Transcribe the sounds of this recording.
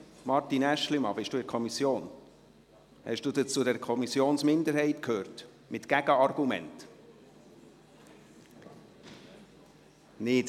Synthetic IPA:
mɑɾtinæʃlimɑbɪʃd̥uːɪɾkʰɔmisjoːn | hɛ̰ʃd̥uːdət͡sudɛɾkʰɔmisjoːnsmɪnd̪əɾhɛɪtkʰhøːrt | mɪtkæɡəɑrɡ̥umɛ̰nt | nɪt

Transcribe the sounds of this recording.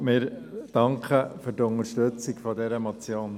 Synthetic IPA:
mɪːɾd̥ɑŋkχəfyɾtʊŋəɾʃtɵt͡sikfɔd̪ɛɾəmot͡sjoːn

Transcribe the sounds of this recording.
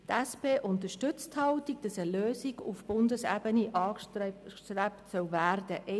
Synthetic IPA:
tæspeːʔʊnt̬əʃtʏt͡sthɑwtiɡ̚d̥ɑsəløːsiɡufb̥ʊndəsæbəniʔɑː | trɛptsœwvæːrdəʔɛ

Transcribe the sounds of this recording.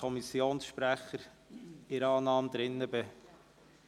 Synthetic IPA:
ɔmisjoːnsʃpɾæχəɾ | ɪɾɑːnɑːmd̪ɾɪnːəbɪ

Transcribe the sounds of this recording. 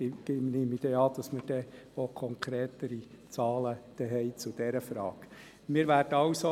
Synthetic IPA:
ɡ̥ɪmneːmid̥ɛɑd̥̪ɑsmərd̥ɛ | okʰɔŋkʰɾeːt̪əɾi | t͡sɑːləd̥ɛɦɛɪt͡sʊd̥̪ɛɾəfɾɑ̰ːk | mɪːɾʋæːrd̥əɑwso

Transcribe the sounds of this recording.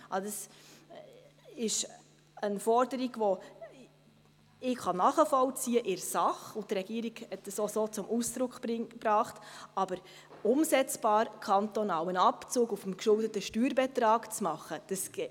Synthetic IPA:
ʔɑdɑs | ɪʃ | ənfɔɾdəɾiɡʋo | ɪkχɑnɑχəfɔlt͡siːəʔɪɾsɑχʊntɾɛɡ̥iəɾiɡ̥hɛt̚d̥əsosot͡sʊmʔusd̥ɾʊkχb̥ɾɑːχtɑb̥əɾ | ʊmsɛt͡sb̥ɑːɾkʰɑntɔnɑːwənɑpt͡suːɡufəmkʃʊldətəʃtyːɾbɛtɾɑːkt͡smɑχəd̥ɑs

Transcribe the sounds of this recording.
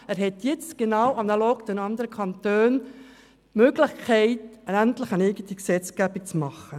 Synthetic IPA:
æːɾɦɛt̪jɪt͡stɡ̥enawɑnɑloːkdɛnɑnd̪əɾəkʰɑnt̪øːn | møːɡlɪχkʰɛɪtənæntlɪχənɛɪɡənt̪iksɛt͡sɡ̥æbik̚t͡smɑχːə

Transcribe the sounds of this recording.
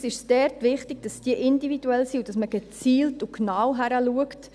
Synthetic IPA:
sɪʃsd̥ɛɾtʋɪχtɪɡ̥̚d̥ɑsd̥iəʔɪndivid̥uɛlsiud̥ɑsməɡ̥ɛt͡siːltuknaːwɦæɾəluəkt

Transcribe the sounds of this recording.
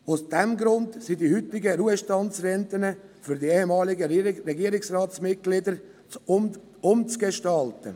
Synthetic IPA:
ʊsd̥ɛmɡɾʊndsidihʏtːɪɡəɾuːəʃtɑnt͡srɛntənəfyɾdieːhemɑːlɪɡəɾeɡiəɾɪksrɑːtt͡smɪt̚ɡ̥lɪdəɾ | ʊmt͡sɡ̥eʃtɑltə̰

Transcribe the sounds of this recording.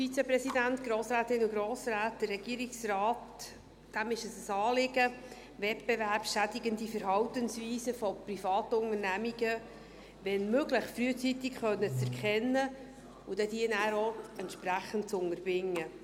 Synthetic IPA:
fit͡sɛpɾɛsidæntɡ̥ɾoːsɾæːt̪ɪnʊɡɾoːsɾæːt̚d̥ərːɛɡ̥iːɾiksrɑːt | d̥æmɪʃəsəsɑːlɪɡə | vɛtb̥evæɾpʃædɪɡənd̪ifəɾɦɑwtənsviːsəfɔprifɑːt̪əʊŋəɾnæmiɡə | ʋɛnmøɡləχfɾyːət͡sit̪ɪkχœnːət͡sɛɾkχɛnːə | ʊd̥ɛd̥iənæːɾoɛntʃpɾæχəntt͡sʊŋəɾb̥ɪŋːə

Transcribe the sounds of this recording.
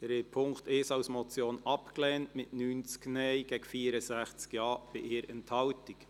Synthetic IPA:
ɛɾɛpʰʊŋktɪʃɑwsmɔt͡sjoːnɑpklɛːntmɪtnyːnt͡skneɪɡ̥ɛːɡfiːəɾəsæχt͡skjɑːb̥ɪʔeːɾɛntʰhɑwtɪk

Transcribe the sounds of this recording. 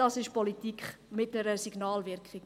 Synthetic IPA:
ɑsɪʃpɔlitikχmɪtnəɾəsiɡnɑːlʋɪɾkχɪɡ

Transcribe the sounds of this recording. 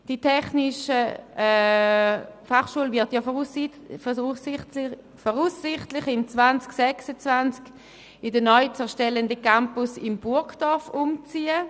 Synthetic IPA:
d̥itʰɛχnɪʃəɛ | faχʃuəlvɪtjɑ | s | fɔʁusːɪχtlɪχɪmt͡svant͡sksɛksət͡svant͡sk | ɪdənɔʏt͡sɛɐʃtɛləndəkampʊsɪmb̥ʊɐkd̥ɔɐfʊmt͡siːə

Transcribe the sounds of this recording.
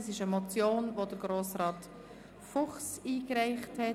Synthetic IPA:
sɪʃəmɔt͡sjoːnvod̥əɾɡ̥ɾoːsrɑːt | fʊχsiːkɾɛɪχthɛ

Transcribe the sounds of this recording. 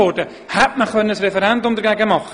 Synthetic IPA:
oːdə | hap̚maχwɛnəsrɛvəɾandɔmd̪əɡaɡamɔχ

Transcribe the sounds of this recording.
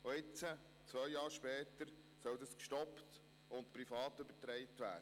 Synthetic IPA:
oɪt͡sə | t͡sʋœjjɑːɾʃpɛːt̪əɾ | sœld̪ɑskʃtɔpt | ʊntpɾifɑːtɵbətɾɛɪtʋæ̰ːdə

